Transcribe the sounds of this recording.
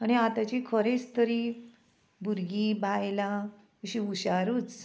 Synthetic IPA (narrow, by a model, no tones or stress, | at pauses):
añiat̪at͡ɕikʰəɾet͡st̪ʰəɾi | buɾɡibʱajla | əɕiuɕaɾuːt͡s